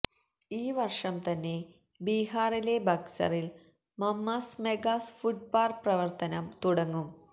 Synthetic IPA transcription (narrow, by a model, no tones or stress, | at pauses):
iːʋɐrʂɐmt̪ɐnːe̞ | biːɦaːrile̞bɐksɐ̰ril | mɐmːɐsmeɡasfuɖ̚paːrprɐʋɐrt̪ɐnɐmt̪uɽɐŋːum